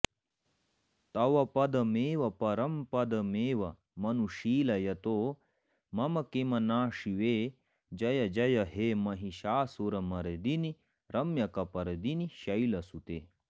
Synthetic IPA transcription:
t̪ɐwɐpɐd̪ɐmeːʋɐpɐɾɐmpɐd̪ɐmeːʋɐ | mɐnuʃiːlɐjɐt̪oː | mɐmɐkemɐnaːʂiʋeː | d͡ʒɐjɐd͡ʒɐjɐɦeːmɐɦiʃaːsoɾɐmɐɾed̪ini | ɾɐmjɐkɐpɐɾed̪iniʃɐjlɐsut̪eː

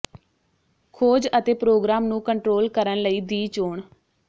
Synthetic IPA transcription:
kʰoːd͡ʒət̪eːpɾoːɡɾaːmnũːkəɳʈɾoːlkəɾənləiːd̪iːt͡ʃoːɳ

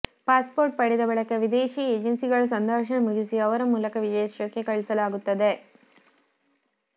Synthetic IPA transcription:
paːspoːɾʈ̚pɐɽid̪ɐbɐɭɐkːɐʋid̪eːʃiːeːd͡ʒɐnsiɡɐɭɐs̬ɐnd̪aːʂɐnɐmuɡisiɐʋɐɾɐmuːlɐkɐʋid͡ʒɐjɐʃjɐkːekɐɭisɐlaːɡut̪ːɐd̪e

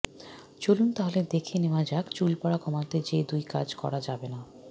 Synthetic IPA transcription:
t͡ɕolunt̪aɦoled̪ekʰenewad͡ʑakt͡ɕulpɔɽakɔmat̪ed͡ʑed̪ujka̰d͡ʑkɔ̰ɾad͡ʑabena

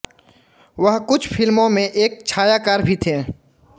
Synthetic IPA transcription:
ʋɐɦkʊt͡ʃʰpʰɪlmõmẽʔeːk̚t͡ʃʰaːjakaːɾbʱit̪ʰeː

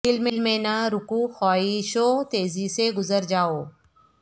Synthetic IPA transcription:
ɪlmɪlmẽːnaɾʊkuːxɔːiʃoːt̪eːziseɡʊzəɾd͡ʒaːoː

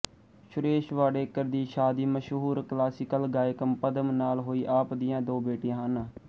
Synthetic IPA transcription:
ʃʊɾeːʃʋaːɽeːkəɾd̪iːʃaːd̪iːməʃɦuːɾklaːsɪkəlɡaːjɪkəmpəd̪əmnaːlɦoːiːʔaːpd̪ɪjãːd̪oːbeːʈɪjãːɦən

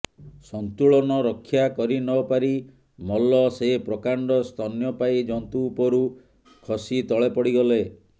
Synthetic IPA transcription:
sɔnt̪uɭɔnɔɾɔkʰːjakɔɾinɔpaɾi | mɔlɔsepɾɔkaɳɖɔst̪ʰɔnjɔpaid͡ʒɔnt̪uːpɔɾu | kʰɔsit̪ɔɭepɔɽiɡɔle

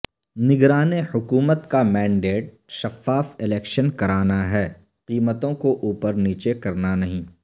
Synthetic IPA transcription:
nɪɡɾaːnehʊkuːmət̪kamɛ̃ːɳɖeːʈ̚ | ʃɐfaːfɪlɛːkʃənkɐɾaːnaɦɛː | qiːmət̪õkoʔuːpəɾniːt͡ʃekɐɾnanɐɦĩː

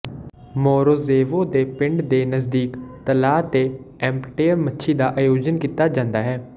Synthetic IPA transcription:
moːɾoːzeːʋoːd̪eːpɪɳɖd̪eːnəzd̪iːkt̪əlaːt̪eː | ɛ̃ːmpʈeːəɾmətːʃʰiːd̪aːʔaːjoːd͡ʒənkiːt̪aːd͡ʒãːnd̪aːɦɛː

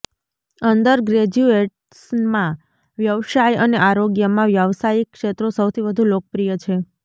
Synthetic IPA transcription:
ənd̪əɾɡɾed͡ʒueʈ | smã | ʋjəʋsajəneʔaɾoɡjəmãʋjəʋsajikːʂet̪ɾosəwt̪ʰiʋəd̪ʱulok̚əpɾijət͡ʃʰe

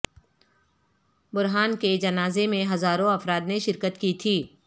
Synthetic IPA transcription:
bʊɾɦaːnked͡ʒɐnaːzemẽɦɐzaːɾõɐfɾaːd̪neʃɪɾkət̪kit̪ʰiː

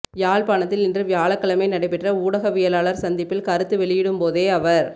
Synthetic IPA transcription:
jaːɭpaːɳɐt̪ːɪlɪndrɯʋɪjaːɭɐkːɐɭɐmɐɪnɐɽɐɪpːɛʈrɐuːɽɐɣɐʋɪjɐlaːɭɐɾsɐnd̪ɪpːɪlkɐɾɯt̪ːɯʋɛɭɪjɪɽɯmpoːðeːɐʋɐɾ

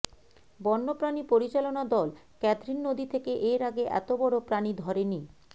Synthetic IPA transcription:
bɔnːopɾanipoɾit͡ɕalonad̪ɔl | kɛt̪ɾinːod̪it̪ʰekeʔeɾaɡeʔɛ̰t̪obɔɽopɾanid̪ʱɔɾeni

